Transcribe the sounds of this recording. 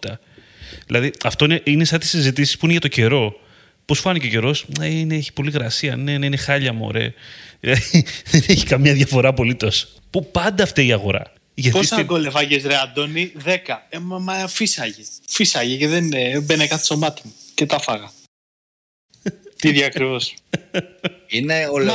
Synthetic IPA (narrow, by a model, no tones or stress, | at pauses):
t̪ɐ | ðilʔɐðiɐft̪o̞ine̞ʔineseɐt̪i̥sizit̪̬isi̥spuineʝɐt̪oce̞ɾo̞ | po̞sfɐnicece̞ɾo̞sɐineeçi̥po̞liɣɾɐsiɐneneinexɐʎɐmo̰ɾe̞̰lɐðeneçi̥kɐmɲɐðʝɐfo̞ɾɐpo̞lit̪o̞s | pupɐnd̪ɐːft̪ieiɐɣo̞ɾɐ̰ | ʝɐt̪p̪isɐɡolefɐʝesɾeɐd̪o̞niðe̞kɐemmɐfisɐʝefisɐʝeceðenbenekɐt̪e̥somɐt̪imucet̪ɐfɐɣɐ | t̪iðjɐɐkɾivo̞s | ineol